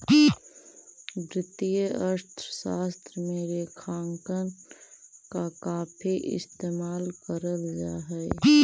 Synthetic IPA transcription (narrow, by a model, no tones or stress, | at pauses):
bɾɪt̪ijəəɾt̪ʰɾəsaːst̪ɾmeːɾekʰaːŋkən | kakaːpʰiʔɪ̰st̪eːmaːlkəɾəld͡ʒa̰ːɦɛe